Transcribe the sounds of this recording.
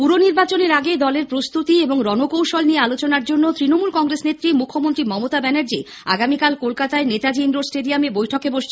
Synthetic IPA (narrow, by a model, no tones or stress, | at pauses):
puɾoniɾbat͡ɕoneɾaɡed̪ɔleɾpɾost̪ut̪ieboŋɾɔnokowʃolniealot͡ɕonaɾd͡ʑonːot̪ɾinomulkɔŋɡɾesnet̪ːɾimukʰːomont̪ɾimɔmot̪abɛneɾd͡ʑe | a̰ɡamikalkolkat̪aenet̪ad͡ʑinɾosʈeɖiamebojʈʰokeboʃt͡ɕʰe